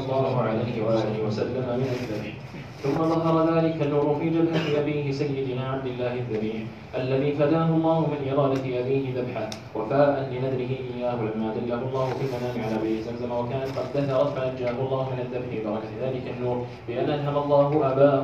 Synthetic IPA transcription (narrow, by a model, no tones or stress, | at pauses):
lˤːɑːhʊʕalajhɪwaʔaːlɪhɪwasalːamamɪnaðːabħ | θʊmːaðaɦɑɾˤɑðaːlɪkanːuːɾʊfiːd͡ʒabħaiʔabiːɦɪsajːɪd̪maʕab̚d̪ɪlːaːhɪðːabiːħ | ʔalːaðiːfad̪aːɦʊlˤːɑːhʊmɪnʔɪɾˤɑːnɪfiːʔabiːɦɪðabħa | wafaːʔanlɪnad̪ɾɪɦɪʔɪjːaːhʊlamːaːd̪alːahʊlˤːɑːhʊfimanaːnɪʕalaːbajʔɪzamzamawakaːnat̪qɑd̪ːaaɾˤɑfʕaʔand͡ʒaːʔɦʊɑlˤːɑːhʊmɪnaðːabħɪbɑɾˤɑkaðaːlɪkanːuːɾˤ | bɪʔanʔanɦamaɑlˤːɑːɦʊʔabaː